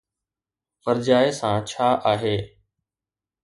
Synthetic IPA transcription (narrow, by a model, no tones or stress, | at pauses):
pəɾd͡ʒaːesãːt͡ʃʰaːʔaːɦeː